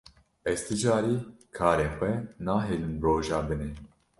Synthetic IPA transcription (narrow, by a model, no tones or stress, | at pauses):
ɛzt̪ʰɨd͡ʒaːɾiː | kʰaːɾeːxʷɛnaːɦeːlɨmbɾoːʒɑːbɨneː